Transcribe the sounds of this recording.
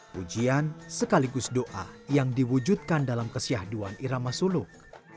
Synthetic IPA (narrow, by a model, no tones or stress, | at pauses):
pud͡ʒiansəkaliɡʊsdoʔa̰jaŋdiwud͡ʒut̪̚kandalamkəsiahduaniɾamasulʊk̚